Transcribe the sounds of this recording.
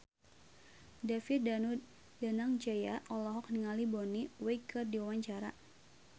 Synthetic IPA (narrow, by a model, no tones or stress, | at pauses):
dafɪt̪̚au | danaŋd͡ʒajaʔɔlɔɦɔk̚niŋalibɔniwɛikʰɨrdiwawaɲt͡ʃaɾa̰